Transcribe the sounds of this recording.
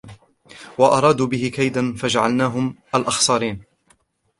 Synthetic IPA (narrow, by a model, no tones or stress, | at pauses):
wɑʔɑɾˤɑːd̪uːbɪɦɪkajd̪anfad͡ʒaʕa̰lnaːɦʊmʔalʔɑxsˤɑːɾiːn